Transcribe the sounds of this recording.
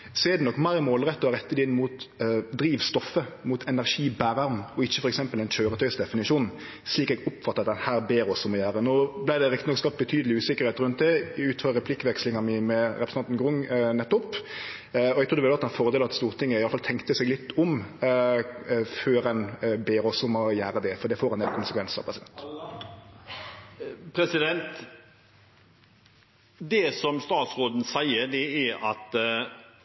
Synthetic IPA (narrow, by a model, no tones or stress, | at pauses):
sɔɛd̪ɛnɔkːmæɪmoːlʁɛt̪ːəʁɛt̪ːət̪ɪnːmuːt̪d̪ɾiːʋst̪ɔfːəmuːt̪ʰɛnæʁʂiːbæːʁɑʁmɔɪçːə̥fɔɾɛksɛmpəlɛɪnt͡ʃøːɾət̪œʏsd̪ɛfɪnɪʂuːn̩ | sliːkɛɡɔpfɑt̪ːəɾɑt̪̚d̪ɛnhæːɾbeːɾɔsɔmɔjæːɾənoːblæɪd̪ɛɾɪkt̪ɪnɔkːskɑp̪̚bət̪ʰyːd̪əlɪʉːsɪkəɾheːt̪ɾʉnt̪̚d̪ɛɪʉːt̪fɑʁɛpʰlɪkːʋɛkslɪŋɑnmimɛɾɛpɾsnɑnnɡʁʊŋnɛt̪ːʊp | ɔæɡt̪ʰɾʊd̪ʋɛlɑt̪ːɑfɔʁd̪eːlɑt̪st̪uːʁt̪ʰɪŋːəɪjɑlfɑlt̪ʰɛŋkt̪əsɛɡlɪt̪ːʊm | føːɾɛnbeːɾɔsɔmɔjæːɾəd̪ɛfɔʁd̪ɛfoːɾɛnɛlkʰʊnsəkʰʋɛnsɑ̰pɾʁɛsɪd̪ɛnt̪ | pʰɾɛsɪd̪ɛnt̪ | d̪ɛsɔmst̪ɑːt̪sɾoːd̪n̩sæɪəɾd̪ɛæɾɑt̪